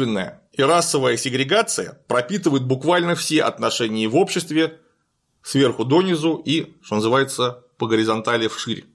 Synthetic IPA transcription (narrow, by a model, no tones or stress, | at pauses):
vʲɪnːəjə̰ | iɾasːəvəjəsʲɪɡɾʲɪɡat̪sɨjə̰pɾɐpʲit̪ɨvəjɪt̪̚bʊkvalʲnəfsʲe̞ʔɐ̰t̪nɐʂɛnʲɪjəvo̞pɕːɪst̪vʲɪ | svʲe̞rxʊd̪o̞nʲɪzuiʂt̪o̞nəzɨvajɪt̪səpəɡəɾʲɪzɐnt̪alʲɪfʂɨɾʲ